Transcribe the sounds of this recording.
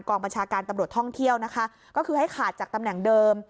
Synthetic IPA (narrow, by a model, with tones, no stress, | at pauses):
nkɔː˧ŋba˧nt͡ɕʰaː˧kaː˧nt̪a˧mɾu˨˩ət̪ʰɔ˥˩ŋt̪ʰi˥˩əwna˦˥kʰa˦˥ʔ | kɔː˥˩kʰɯː˧ɦa˥˩jkʰaː˨˩t̪̚t͡ɕaː˨˩k̚t̪a˧mnɛ˨˩ŋdɤː˧m